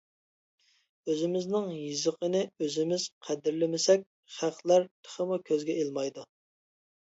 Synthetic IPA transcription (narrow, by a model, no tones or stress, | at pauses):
øzɪmɪznɪŋjizəqʰənɪøzɪmɪz̥qʰæd̪ɪɾlɪmɪsɛk̚ʲ | χæqlˠæɾt̪ʰə̥χəmukʲʰøzɡʲɛelˠmɑjd̪u